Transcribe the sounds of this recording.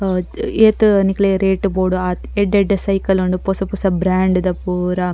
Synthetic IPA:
eːt̪nikleɾeːʈboːɖuaː | eɖeɖɐsɐjkɐluɳɖuposɐpusɐbɾaːɳɖd̪ɐpuːɾɐ

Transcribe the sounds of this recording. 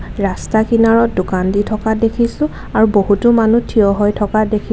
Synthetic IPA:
ɹastakinaɹɔt̚dʊkanditʰɔkadekʰisʊ̃ | aɹubohutʊmanutʰiɔɦɔjtʰɔkadekʰi

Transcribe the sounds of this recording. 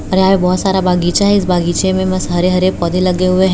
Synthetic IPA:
ɐɾeɦaːmẽbɔːt̪saːɾabaːɡiːt͡ʃaɦɛɪsbaːɡiːt͡ʃemẽmɐsɦɐɾeɦɐɾepɔːd̪ʱelɐɡeɦʊeɦ

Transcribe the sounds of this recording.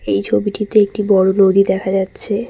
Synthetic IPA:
ejt͡ɕʰobiʈit̪eek̚ʈibɔɽonod̪id̪ɛkʰad͡ʑatːɕʰe

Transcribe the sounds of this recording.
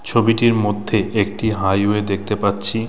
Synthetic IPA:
t͡ɕʰobiʈiɾmod̪ʱːeʔek̚ʈiɦajued̪ek̚ʰt̪epatːt͡ɕʰi

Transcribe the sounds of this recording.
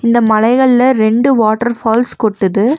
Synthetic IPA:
ɪnd̪ɐmɐlɐɪɣɐɭlɐɾɛɳɖɯʋaːʈːɐɾfaːlskɔʈːɯðɯ

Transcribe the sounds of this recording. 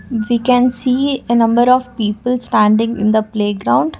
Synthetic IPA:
ʋiːkɛ̃nsiːenʌ̃mbəɾɔʋpiːpəlsʈæ̃ːɳɖɪ̃ŋɪ̰̃nd̪əpleːɡɾãʊ̃ɳɖ

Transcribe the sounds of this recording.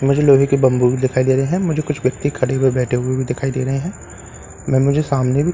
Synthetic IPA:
mʊd͡ʒʱeloːɦikibɐ̃mbubʱid̪ɪkʰaːid̪eːɾɐɦeɦɛ̃mʊd͡ʒʱekʊt͡ʃʰʋjɐk̚t̪ikʰɐɽeɦeɾbɛːʈʰeɦʊebʱid̪ɪkʰaːid̪ḛːɾɐɦeɦɛ̃ː | mɛ̃ːmʊd͡ʒʱesaːmnebʱi

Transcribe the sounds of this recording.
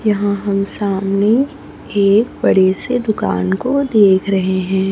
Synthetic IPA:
jɐɦãɦɐmsaːmne | eːk̚bɐɽesed̪ʊka̰ːnkod̪eːkʰɾɐɦeɦɛ̃ː

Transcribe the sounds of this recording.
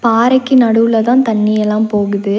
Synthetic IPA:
paːɾɐɪkːɯnɐɽɯʋlɐt̪ãːt̪ɐɳːɪjɛlːaːmpoːɣɯðɯ

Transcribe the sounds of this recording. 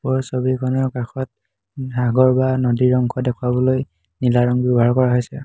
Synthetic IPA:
pɔɹsobikʰɔnɔɹkaxɔt̚ | aɡɔɹbanodiɹɔŋkʰɔdɛkʰwabɔloj | nilaɹɔŋbibʱaɹkɔɹaɦojsɛ

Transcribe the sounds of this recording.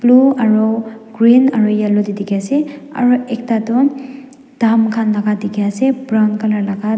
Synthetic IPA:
pluɐɾɔɡɾinɐɾujalodidiɡjaseɐ̰ɾuek̚tadɔn | d̥amkʰanlaɡadiɡjasebɾawnkalaɾlaɡa

